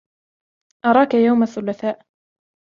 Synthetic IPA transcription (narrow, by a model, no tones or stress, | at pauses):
ʔɑɾˤɑːkajawmaθːʊlaθaːʔ